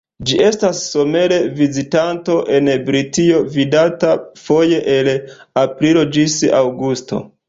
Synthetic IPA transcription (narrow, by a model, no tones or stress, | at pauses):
d͡ʒiʔe̞stasːo̞me̞le̞vizitanto̞ʔe̞nbɾitio̞vidatafo̞je̞ʔelapɾilo̞d͡ʒisawɡusto̞̰